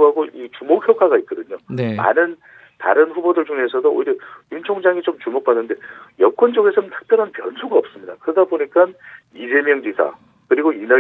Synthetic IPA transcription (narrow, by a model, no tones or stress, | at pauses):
ɦaɡoʔit͡ɕumokʰçjʌk͈aɡait̚k͈ʌdɯɲonma̰nɯn | ta̰ɾɯnɸubodɯɭt͡ɕuŋesʰʌdoo̰jiɾjʌjunt͡ɕʰoŋd͡ʑaŋit͡ɕomt͡ɕumok̚p͈anːɯnde̞jʌk͈wʌnd͡ʑʌɡe̞sʰʌnɯntʰɯ̥k̚p͈jʌɾɦanpjʌ̰nsʰuɡaʌp̚s͈ɯmɲidakɯɾʌdaboɲik͈an | id͡ʑe̞mjʌŋd͡ʑisʰa̰ | kɯɾiɡoinʌ